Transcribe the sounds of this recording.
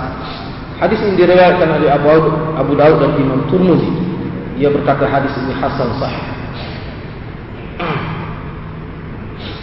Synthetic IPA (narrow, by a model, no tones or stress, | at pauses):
hadisinidiɾiwajat̪̚kanolɛabudaud̪̚danʔimamt̪urmuzi | iabərkat̪aɦadisinihasansɑħih